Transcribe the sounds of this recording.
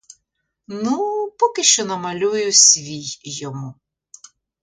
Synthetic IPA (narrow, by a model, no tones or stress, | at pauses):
nupɔkɪʃt͡ʃɔnɐmɐlʲujʊsʲʋʲijjːɔmu